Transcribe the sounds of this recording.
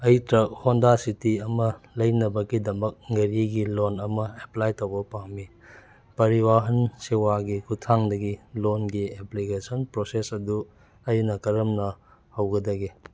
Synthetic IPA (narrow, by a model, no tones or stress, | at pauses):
ɐjtɾɐk̚hondasitiɐmɐlɐjnɐbɐɡidɐmɐk̚ŋɐɾiɡilonɐmɐeplajtowbɐpaŋmi | pɐɾiwaɦɐnsewaɡikutʰaŋdɐɡilonɡieplikesonpɾosesɐdu | ɐjnɐkɐɾɐmnɐ | hɐwɡɐdɐɡi